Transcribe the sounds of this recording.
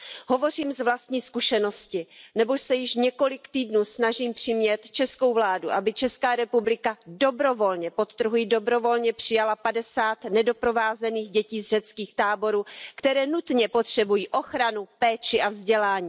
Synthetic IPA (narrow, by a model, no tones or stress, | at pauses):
ɦo̞vo̞r̝iːmzvlast̪ɲiːskuʃɛno̞scɪnɛbosɛjɪʃɲɛko̞lɪkt̪iːdnuːsnaʒiːmpr̥ɪmɲɛt̪t͡ʃɛsko̞wvlaːduʔabɪt͡ʃɛskaːɾɛpublɪkado̞bɾo̞vo̞lɲɛpo̞t̪t̪ːr̩ɾ̩ɦujɪdo̞bɾo̞vo̞lɲɛpr̝̥ɪjalapadɛsaːt̪nɛdo̞pɾo̞vaːzɛniːxɟɛciːzrɛt͡skiːxt̪aːbo̞ɾuːkt̪ɛɾɛːnut̪ɲɛpot̪r̝̥ɛbujiːʔo̞xɾanupɛːt͡ʃɪʔavzɟɛlaːɲiː